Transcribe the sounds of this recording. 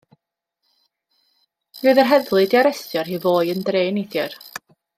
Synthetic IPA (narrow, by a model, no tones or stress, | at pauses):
ruːɨðərɦɛðlˠɨdiaɾɛstjɔrhiːvoːɨəndreːniθjər